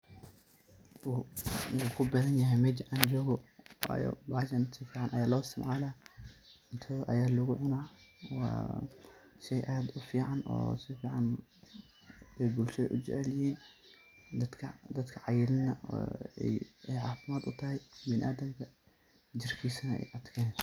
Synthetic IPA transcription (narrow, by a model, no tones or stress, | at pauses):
kʰʊbɛðɐnjɐɦɛjmɛd͡ʒʔaːnd͡ʒɔːɣɔ̰j̰baʃɐnɪnt̪ʰɐfiːʕanʔɐ̰jaːlɔːɪst̪ʰɪmʕalɐ | ɪnt̪ʰɐʔɐ̰jaːlʊɣʊʕʊnaːwa̰ | ʃɛjʔaːd̪ʊfiːʕanɔ̰sɛfiːʕan | ɛjbʊlʃɐʔʊ̰d͡ʒɛ̰ʕɛljɪhiːn | d̪ɐd̪kʰɐd̪ɐd̪kʰɐʕajɪlɪnɐ̰ɛ̰ɛjʕaːfɪmaːt̪ʊt̪ʰɐhɛjbɪnʔaːd̪ɐmkʰɐ | d͡ʒɪrkʰiːsɐnɐɛ̰jʔɐt̪kʰɐn